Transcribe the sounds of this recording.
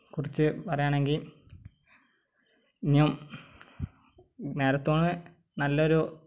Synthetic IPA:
kurit͡ɕːɨpɐrɐjaːɳe̞ŋɡil | nium | ne̞ːɾɐt̪ːoːɳɨ | nɐlːɐo̞ɾu

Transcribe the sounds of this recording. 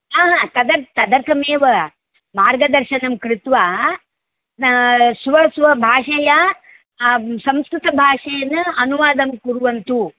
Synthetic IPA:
aːɦat̪ɐd̪ɐɾt̪ɐd̪ɐɾk̪ʰɐmeːʋɐ | maːɾɡɐd̪ɐɾʃɐnɐmkɾɪt̪ʋaː | sʋɐsʋɐbʱaːʂɐjɐ | sɐ̃mskɾɪt̪ɐbʱaːʂɐjɐnɐɐnuʋaːd̪ɐmkuɾuʋɐnt̪u

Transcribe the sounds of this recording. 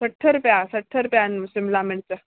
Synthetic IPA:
səʈʰːəɾpjasəʈʰːəɾpjansimblameɳt͡sə

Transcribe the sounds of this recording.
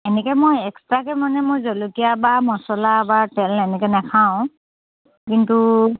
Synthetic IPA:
ɛnɛkɛmojɛkstɹakɛmanɛmojzɔlukijabamɔsɔlabatɛlɛnɛkɛnakʰaʊ̃ | kintu

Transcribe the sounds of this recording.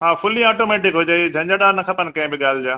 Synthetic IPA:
ɦãːfʰʊlĩaːʈoːmɛːʈɪkɦod͡ʑaːid͡ʑʱɐ̃ɲd͡ʑaɖaːnɐkʰɐpənɪkɐ̃ɦɪ̃bɪɠaːl̤ɪd͡ʑaː

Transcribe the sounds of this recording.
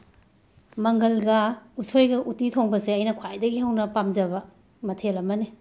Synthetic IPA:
mɐŋɡɐlɡɐusʰojɡɐʔutitʰoŋbɐseɐjnɐkʰwajdɐɡihɐwnɐpamd͡ʒɐbɐ | mɐtʰelɐmɐni

